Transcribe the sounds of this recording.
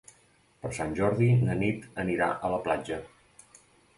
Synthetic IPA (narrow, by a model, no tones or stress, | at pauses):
pəɾsanʲʒɔɾðilənit̪əniɾa̰ʔələplad͡ʒə